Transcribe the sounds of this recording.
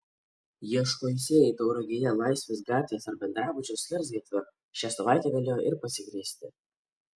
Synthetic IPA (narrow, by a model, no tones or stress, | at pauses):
jiɛʃkoːjsʲeːjɛɪt̪ɔʊɾɔɡʲɪjɛlˠɑˑɪsʲʋʲeːs̬ɡɾɑːt̪ʲʋʲeːsɐɾbʲɛnd̪ɾɑːbʊd͡ʒʲosʲlʲɛɾsʲɡʲiɛt̪ʲʋʲɪɾ | ʃʲæːsɐʋɑˑɪt̪ʲɛːɡɐlʲeːjoʔɪɾpɐsʲɪɡɾʲiːsʲt̪ʲɪ